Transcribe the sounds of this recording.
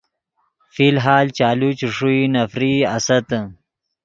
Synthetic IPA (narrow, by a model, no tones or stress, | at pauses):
filɦaːlt͡ʃaːlut͡ʃuʂuinɐfɾiɐsɐt̪